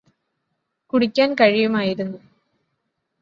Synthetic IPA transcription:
kuɽikʲːaːnkɐɻijumaːjiɾunːu

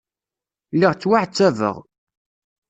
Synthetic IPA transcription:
lːiʁt͡sːwaʕt͡sːævə̰ʁ

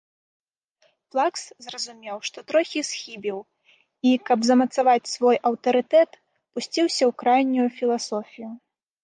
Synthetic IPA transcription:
plˠakszrɐzumʲɛwʂt̪ɔt̪ɾɔxʲisxʲibʲiw | ikɐbzɐmɐt̪savat͡sʲsvɔjʔɐwt̪ɐɾɨt̪ɛt̪ | pusʲt͡sʲiwsʲɐwkɾajnʲːujufʲilˠasɔfʲiju

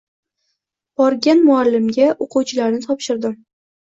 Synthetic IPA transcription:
b̥ɒɾɡʲanmʊalːɪmɡʲaʔoqʰuwt͡ʃʰɪlaɾnɪt̪ʰɒpʃɪɾd̪ɪm

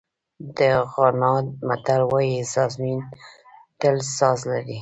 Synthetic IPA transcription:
d̪əɣɑnɑd̪̚mat̪alwɑjizɑzmin | ʈ̪əlsɑzlaɾi

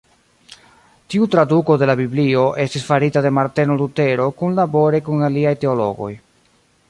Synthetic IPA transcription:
tiutɾaduko̞de̞labiblio̞ʔe̞stisfaɾitade̞maɾte̞nolute̞ɾo̞kunlabo̞ɾekunaliajte̞o̞lo̞̰ɡo̞̰j

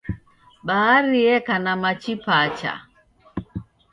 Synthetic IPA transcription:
ɓaaɾiɛkanamat͡ʃipat͡ʃa̰

